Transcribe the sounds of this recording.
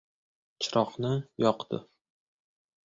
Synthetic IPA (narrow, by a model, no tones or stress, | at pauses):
t͡ʃʰɪɾɒqnɪjɒqd̪ɪ̰